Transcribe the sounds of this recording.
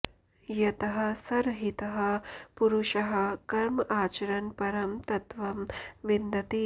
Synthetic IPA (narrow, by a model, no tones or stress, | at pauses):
jɐt̪ɐɦɐ̆sɐɾɦit̪ɐɦɐpuɾuʃɐɦɐkɐɾmɐʔaːt͡ʃɐɾɐnpɐɾɐmt̪ɐt̪ʋɐmʋind̪ɐt̪i